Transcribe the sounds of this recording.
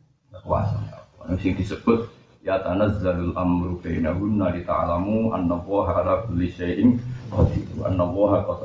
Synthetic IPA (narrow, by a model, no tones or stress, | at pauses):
awa̰sa̰aamsɪŋd̪isəbʊt̪̚ | jat̪anazːalalʔamɾkanahʊnːalit̪a̰ʕlamuʔa̰nːalˤːɑːɦʕalakʊlːiʃajʔɪnwahfid̪uʔa̰nːalˤːɑːɦakat̪